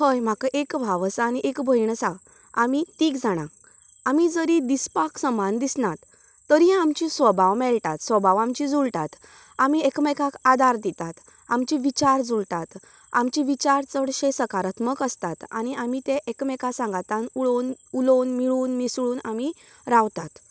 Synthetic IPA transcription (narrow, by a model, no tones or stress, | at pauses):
həjm̤akaʔekbʱaʋsañiʔekbʱəjɳəsa | amit̪iːkd͡zʱaɽ̃a | amid͡zəɾid̪ispaksəmand̪isnat̪ː | əɾiãamt͡ɕisʋəbʱaʋmɛɭʈat̪sʋəbʱaʋamt͡ɕid͡zulʈat̪ | amiekmɛkakad̪ʱaɾd̪it̪at̪ | amt͡ɕiʋit͡ɕaɾd͡zult̪at̪ | amt͡ɕiʋit͡ɕaɾt͡səɽɕesəkaɾət̪məkəst̪at̪a̰ñiamit̪ẽʔekmɛkasãŋɡat̪anuɭonulonmiɭuːnmisɭuːnami | ɾaʋt̪at̪